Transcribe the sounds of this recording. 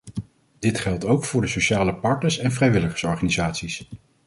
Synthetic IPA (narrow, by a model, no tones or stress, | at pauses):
d̥ɪtχɛlˠtowkfʊːɹdəsoʃaːləpɑɹtnəɹsɛnvrɛjʋɪləχə̥ɹsɔɹχaːnizaːtsis